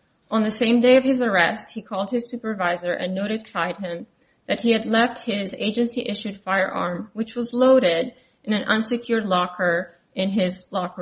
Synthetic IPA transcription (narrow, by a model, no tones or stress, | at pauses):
ʔə̃nðɨsẽɪ̃mdeɪʌv̥ɨzə˞ɛst̚hikʰɔlˠd̚ɨz̥sʉpə˞vaɪzə˞ʔɨ̰̃nːoʊɾɨd̚kʰaɪd̚ɪ̃m | ðɨt̚hiɨdˡlɛft̚hɪzḛɪd͡ʒɨ̃nsiʔɪʃʉd̥faɪə˞ʔɑ̰ɹmwɨt͡ʃwʌzloʊɾɪɾ | ʔɨ̃nɨ̃nʔʌ̰̃nsɨkʰj̥ʊɹdˡlɑkʰə˞ | ʔɨ̃nɪzlɑkə